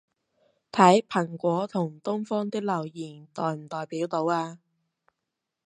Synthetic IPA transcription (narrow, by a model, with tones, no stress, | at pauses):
t̪ʰɐ˨˥jpʰɐ˨˩ŋkʷɔː˨˥t̪ʰʊ˨˩ŋt̪ʊ˥ŋfɔː˥ŋt̪ɪ˥k̚lɐ˨˩wjiː˨˩nt̪ɔː˨jm̩˨˩t̪ɔː˨jpiː˨˥wt̪o˨˥waː˧